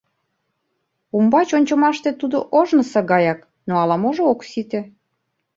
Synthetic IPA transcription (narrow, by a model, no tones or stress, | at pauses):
umbɑt͡ɕonʲt͡ɕŏmɑʃt̪et̪ud̪oʔoʒnɤ̆sɤɣɑjɑk | noɑlɑmoʒooksit̪ĕ